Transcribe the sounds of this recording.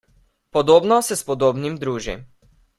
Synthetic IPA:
pɔd̪ɔbnɔsɛspɔd̪ɔbnimd̪ɾuʒḭm

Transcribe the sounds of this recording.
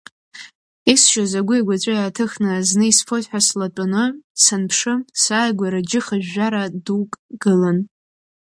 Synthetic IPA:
isʃazaɡʷʊiɡʷat͡ɕʷʼajaːtʰɨχnɨaznɨisfʰotħʷᶣaslatʼʊnɨsanpʰʂɨsaːjɡʷaɾad͡ʒɪχaʒaɾadukʼɡɨlan

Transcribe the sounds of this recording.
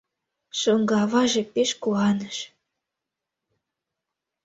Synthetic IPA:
ʃɤŋɡɑβɑʒĕpeʃkuɑnəʃ

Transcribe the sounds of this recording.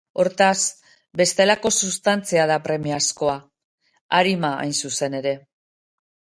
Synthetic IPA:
o̞ɾt̪as | be̞st̪e̞lako̞sust̪ant͡siaðapɾe̞miasko̞a | aɾimaa̰jnsuse̞ne̞ɾe̞

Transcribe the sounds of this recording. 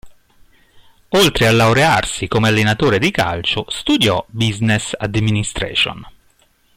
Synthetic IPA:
olt̪ɾealːawɾearsikomealːenat̪oːɾed̪ika̰lt͡ʃʊst̪ud̪jɔbiznesad̪minist̪ɾɛ̰ːt͡ʃo̰n

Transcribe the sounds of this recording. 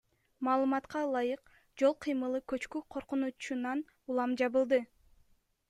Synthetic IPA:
mɑːlˠɯmɑt̪qɑlˠɑjɯq | d͡ʒo̞lˠqʰɨjmɯlˠɯkøt͡ʃkyqʰo̞ɾqunut͡ʃunɑn | ulˠɑmd͡ʒɑβɯlˠd̪ɯ

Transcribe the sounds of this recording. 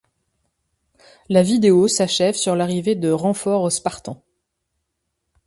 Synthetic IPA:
lavid̪eosaʃɛvsyʁlaʁived̪əʁɑ̃fɔʁospaʁt̪ɑ̃

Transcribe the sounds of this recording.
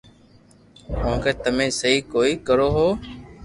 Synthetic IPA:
mõːkeːt̪əmẽːsəɦiːkoːiːkəɾoːɦoː

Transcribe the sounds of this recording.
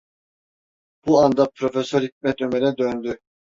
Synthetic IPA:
b̥uand̪apɾo̞fesøɾhit̪̚mɛt̪ømeɾɛd̪ønd̪y

